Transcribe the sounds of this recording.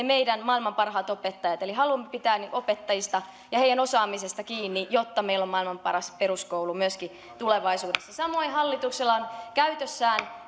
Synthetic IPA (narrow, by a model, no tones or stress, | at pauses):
emeidænmɑilmɑmpɑrɦɑːt̪opet̪ːɑjɑt̪eliɦɑlumːepit̪æːniʔopet̪ːɑjist̪ɑ | jɑhejænosɑːmisest̪ɑkiːnːijot̪ːɑmeilːommɑilmɑmpɑ̰rɑspeɾuskoulumyøski | t̪uleʋɑisuːdesːɑsɑmo̞ihɑlːit̪ukselːɑnkæyt̪øsːæːn